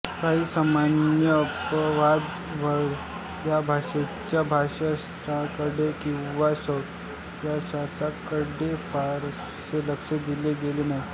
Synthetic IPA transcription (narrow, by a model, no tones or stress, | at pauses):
kaɦiːsamanjəːpəʋad̪ | ʋəɽ | jabʱaɕet͡ɕjabʱaʂasɾakəɽekĩw̃ʋasəwt̪ | t̪jasasakəɽefaɾ | seləkʂed̪ileɡelenaɦi